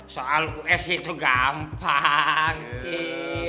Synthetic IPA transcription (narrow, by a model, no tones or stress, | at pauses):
soʔaluʔɛsit̪uɡampaŋi